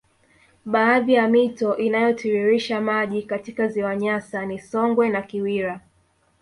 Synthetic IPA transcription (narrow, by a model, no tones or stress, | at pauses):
ɓaːðijamitɔʔinajɔtʰiɾiɾiʃamaʄikatikaziwaɲasanisɔŋɡwɛnakiwiɾa